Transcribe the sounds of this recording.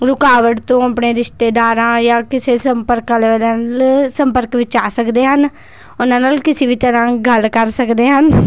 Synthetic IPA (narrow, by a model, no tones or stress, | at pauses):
ɾʊkaːʋəʈt̪õɐpneɾɪʃʈ̪eːd̪aːɾãːjaːkɪsesə̃mpəɾkalellsə̃mpəɾkʋɪt͡ʃaːsəkd̪eːɦən | ʊnanəlkɪsibʱit̪əɾãːɡʱəlkəɾsəkd̪eːɦən